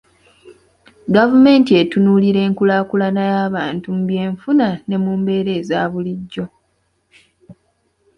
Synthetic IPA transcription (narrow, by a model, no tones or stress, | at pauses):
ɡavume̞ːntie̞tunuːliɾe̞ːŋkulaːkulanajaːβaːntum̩βje̞ːɱfunane̞muːmbe̞ːɾe̞ːzaːβuliɟːo̞